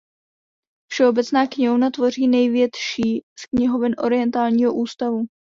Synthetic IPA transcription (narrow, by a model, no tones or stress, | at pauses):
fʃɛo̞bɛt͡snaːkɲɛɦonat̪vo̞riːnɛjvjɛt̪ʃiːskɲɛɦo̞vɪnʔo̞̰ɾɪjɛnt̪aːlɲiːɦoʔuːst̪avu